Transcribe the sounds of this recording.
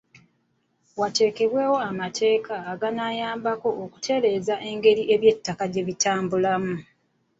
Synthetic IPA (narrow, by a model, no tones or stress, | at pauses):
wate̞ːke̞βwe̞ːwo̞amatʰe̞ːkaːɡanajaːmbako̞ʔoku̥tʰe̞ɾe̞ːzaʔe̞ŋɡe̞ɾiʔe̞βje̞tːakaɟe̞βitaːmbulamu